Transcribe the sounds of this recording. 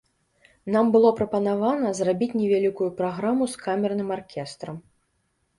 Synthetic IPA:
nambɨlˠɔpɾɐpɐnavanɐzrabʲit͡sʲnʲɛvʲalʲikujupɾaɣɾamuskamʲɛrnɨmarkʲɛst̪ɾɐm

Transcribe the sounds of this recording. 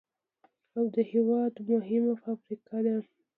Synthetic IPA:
awd̪əhɪwɑd̪mʊɦɪmapəafɾikɑd̪a

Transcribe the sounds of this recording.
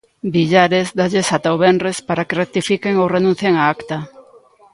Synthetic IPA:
biʎaɾezd̪aʎesat̪aoβenrespaɾakerek̚t̪ifikeŋorenũn̟θjeŋaakt̪a

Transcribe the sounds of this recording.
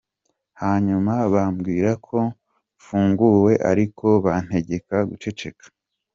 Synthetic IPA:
haːɲumaβamɡiːɾakʰo̞ | fuːŋɡuwe̞ʔa̰ɾikʰo̞βan̥he̞ɟe̞kaɡut͡ʃe̞t͡ʃe̞kʰḁ

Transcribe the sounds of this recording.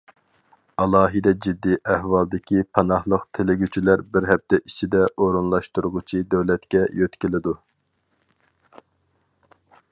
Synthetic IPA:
ɑlˠɑːɦɨd̪ɛd͡ʒid̪ːiʔæhwɑlˠd̪ɪkʲʰipʰɑnɑhlˠəqt̪ʰelɪɡʲyt͡ʃʰilæɾbɪɾɦɛp̚t̪ɛʔit͡ʃʰid̪ɛʔoɾunlˠɑʃt̪uɾʁʊt͡ʃʰid̪øwlɛt̪kʲɛjøt̪kʲilɪd̪u

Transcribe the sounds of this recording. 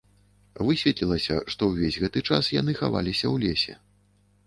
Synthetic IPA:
vɨsʲvʲɛt̪lʲilˠɐsʲɐ̰ʂt̪ɔwvʲezʲɣɛt̪ɨt͡ʂasjan̪ɨxava̰lʲisʲɐwlʲesʲɛ̰

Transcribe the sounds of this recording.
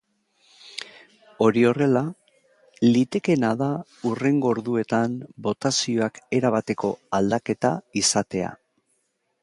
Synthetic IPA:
o̞ɾio̞re̞la | lit̪e̞ke̞naða | ure̞ŋɡo̞ɾðue̞t̪ambo̞t̪asio̞ake̞ɾaβat̪e̞ko̞ald̪ake̞t̪aisat̪e̞a̰

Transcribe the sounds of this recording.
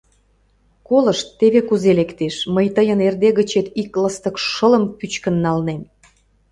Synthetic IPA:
koləʃt̪ːeβekuzelekt̪eʃməjt̪əjənerd̪eɣət͡ɕet̪ikləst̪əkʃələ̆mpyt͡ɕkənːɑlnen

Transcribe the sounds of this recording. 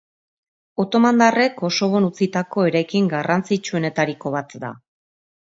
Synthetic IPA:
o̞t̪o̞mand̪are̞ko̞so̞βo̞nut͡sit̪ako̞eɾajkiŋɡarant͡sit͡ʃue̞ne̞t̪aɾiko̞βat̪d̪a̰

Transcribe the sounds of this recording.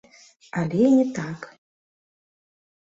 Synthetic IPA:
alʲɛinʲɛt̪ak

